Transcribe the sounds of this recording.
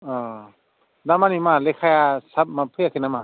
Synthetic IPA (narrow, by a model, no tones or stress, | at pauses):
ɔ | damanimalekʰajasap̚mapʰɯjakʰinama